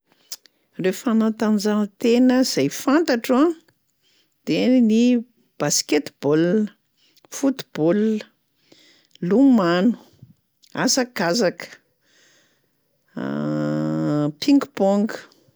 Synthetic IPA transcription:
refanant̪and͡zant̪enəz̥ajfant̪aʈ͡ʂã | d̪̥eni | b̥asket̪b̥olə | fut̪i̥b̥oluə | lumanu̥ | asakazakə̥ | pʰiŋɡboŋɡə̥

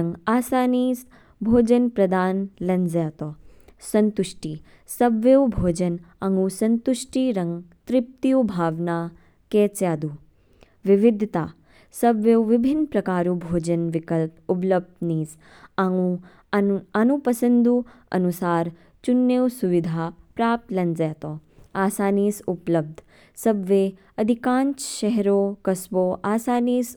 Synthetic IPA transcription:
ŋɡaːsaːniːs | bʱoːd͡ʒɐnpɾɐd̪aːnlɐnd͡ʒjat̪osɐnt̪uʂʈiː | sɐbʋewbʱoːd͡ʒɐnɐŋɡusɐnt̪uʂʈiːɾɐŋɡt̪ɾɪp̚t̪ijubʱaːʋnaː | kɛːt͡sjaːd̪uː | ʋiʋid̪ʱt̪aː | sɐbʋewʋibʱinːpɾɐkaːɾubʱoːd͡ʒɐnʋɪkəlpup̬ləb̚d̪niːs | u | anupɐsənd̪u | ɐ̰nusaːɾ | t͡ʃunːewsuʋid̪ʱaːpɾaːp̚t̪lɐnzɛːt̪oːaːsaːniːsupləb̚d̪ʱ | sɐbʋe | ɐd̪ʱikãːnt͡ʃʃɛɦɾoːkɐsʋoːʔaːsaːniːs

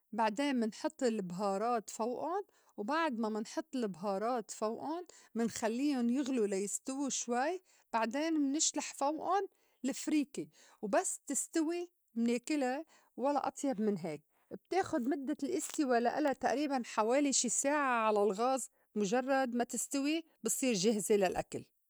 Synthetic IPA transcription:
baʕd̪eːnmɪnħɨt̪ˤːɪlɪbɦɑːɾˤɑːt̪fawʔʊn | wbaʕd̪mamɪnħɨt̪ˤːɪlɪbɦɑːɾˤɑːt̪fawʔʊnmɪnxalːiːʊnjɪɣlulajɪst̪ɪwiʃwaj | b̥aʕd̪eːnmnɪʃlaħfawʔʊn | lɪfɾiːki | wbasːt̪ɪst̪awi | mneːkɪla | walːa̰ʔɑt̪ˤjɑbmɪnɦeːk̚ | b̚t̪eːxʊd̪mʊd̪ːalʔɪst̪ɪwalaʔɪlat̪aʔɾiːbanħaweːliʃiːsaːʕaʕalalɣɑːz | mʊʒɑrˤːɑd̪mat̪ɪst̪awi | bɨsˤiːɾʒɪhzelalʔa̰kal

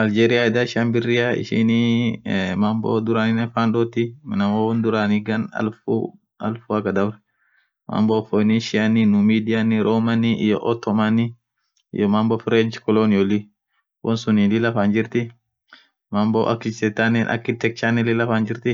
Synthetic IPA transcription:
ʔɐld͡ʒeːɾɪjaɛd̪aʃanbɪrːɪjaɪ̰ʃɪ̰ni | mɐmbo̰d̪ʊɾanɪnɛfaːnɗɔt̪ɪmɪnɐmowɔnd̪ʊɾanɪɡɐnɐ̰lfu | ɐ̰lfuɐkɐd̪ɐbɾɛ̥ | mɐ̰mbɔfɔniʃɪaninʊmiːd̪ɪjanɪɾʔomɐniʔɪ̰jɔ̰ʔɔt̪ːɔmani | ɪ̰jɔmɐmbɔfɪɾed͡ʒkɔlonɪɔlɪ | wɔnsʊnilɪlɐfaːnd͡ʒɪɾt̪ɪ | mɐmbo̰ʔɐ̰kːɪt͡ʃɛt̪ːanɛnʔɐ̰kːɪt̪ːɛk̚t͡ʃːanɛlɪlɐfaːnd͡ʒɪɾt̪ɪ

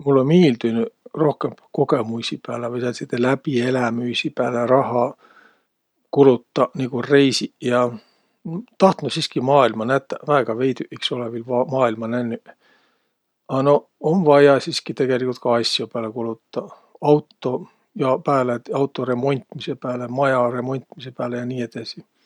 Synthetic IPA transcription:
mulːonmiːld̪ynyro̞hkemko̞ɡemusʲipæːlevɯjsɑset̪ːelæpielæmysipæːleɾɑɦɑ | kulut̪ːɑnikure̞jsijɑ | t̪ɑht̪nusiskimɑːilmɑnæt̪ːˑævæeɡ̥ɑve̞jt̪yʔiksolevilvɑmɑːilmɑnænːy | ɑno̞ | onvɑjɑsiskit̪e̞ɡ̥e̞likult̪̚kɑɑjsʲjopæːlekulut̪ːɑ | ɑwt̪ːo̞ | jɑpæːlet̪ɑwt̪ːˑo̞ɾe̞mo̞nʲt̪ˑmise̞pæːlemɑjɑre̞mo̞nʲt̪ˑmise̞pæːlejɑniːe̞d̪̥ɑsi

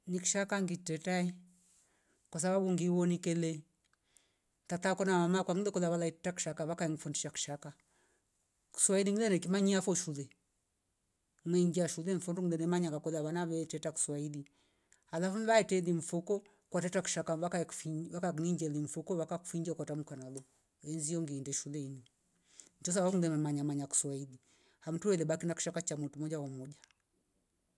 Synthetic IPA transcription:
niki̥ʃakaŋɡitɛtaɛ | kwas̬aβabuŋɡiwɔnikɛlɛ | tatakɔnamamakwaŋilɛkɔðaβalaitɛtaku̥ʃakaβakaɛŋɡifɔnduʃaku̥ʃaka | ku̥swailiŋilɛnɛkimaɲiafɔʃulɛ | mwɛŋɡiaʃulɛɱ̩fɔnduŋidɛnɛmaɲaŋɡakɔðaβanaβɛtɛtaku̥swaili | alafunβaɛtɛliɱ̩fukɔ | kwatɛtaku̥ʃakaβakafiβakakniɲd͡ʒɛliɱ̩fukɔβakaku̥fiɲd͡ʒakwatamukanalɔ | ɛnzijɔŋɡiːndɛʃulɛini | n̩tɔs̬awaŋdɛmɛmaɲamaɲaku̥swaili | ham̩tuwɛlɛɓakinaku̥ʃakat͡ʃamutumɔd͡ʒaɔmɔɟa

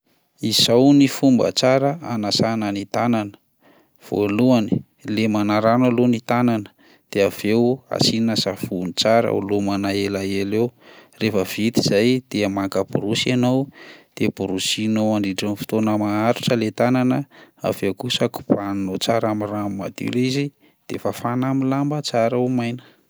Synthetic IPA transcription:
izawnifumbə̰t͡saɾəa̰nasanənit̪ananə̥ | v̥o̰luani | lemanaɾanalonit̪ananə̥ | d̪̥eav̥ewa̰siinasafunit͡saɾə̰ṵlomanaelaelewrefəv̥it̪iz̥ajd̪̥eamakəbuɾusianowd̪̥ebuɾusinoaɳɖ͡ʐiɖ͡ʐanifi̥t̪onəmaaɾuʈ͡ʂəlet̪ananəa̰vewkusaku̥paninot͡saɾamiramma̰d̪ḭlizi | d̪̥efafanamilambət͡saɾawmajnə̥

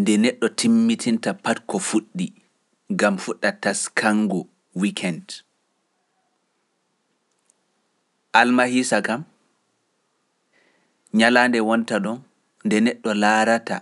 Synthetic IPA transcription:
ndɛnɛɗːɔtʰimːitʰintapatkɔfuɗːi | ɡamfuɗːataskʰaŋɡu | wikʰɛnd | ʔalmahisakam | ɲalaːndɛwɔntaɗɔn | ndɛnɛɗːɔlaːɾata̰

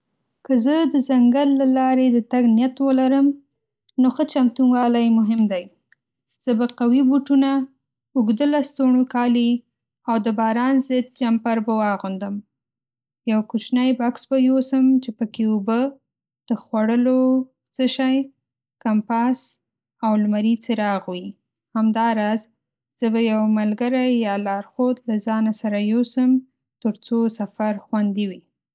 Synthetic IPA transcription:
kəzəd̪əzaŋɡalːalɑɾed̪ət̪aɡnjat̪wəlaɾəm | noxət͡ʃamt̪unwɑlajmʊɦɪmd̪aj | z̥əbaqawibuʈuna | ʊɡd̪əlast̪oɳukɑli | awd̪əbɑɾɑnzɪd̪̚d͡ʒampaɾbawɑɣund̪əm | jawkut͡ʃnajbɑksbajosəmt͡ʃepəkeubə | d̪̥əxwaɽəlo | t͡səʃaj | kampas | awlmaɾit͡səɾɑɣwi | hamd̪ɑɾɑz | z̥əbajawmalɡaɾajjɑlɑɾxod̪lazɑnasaɾajosəm | t̪əɾt͡sosafaɾxwand̪iwi

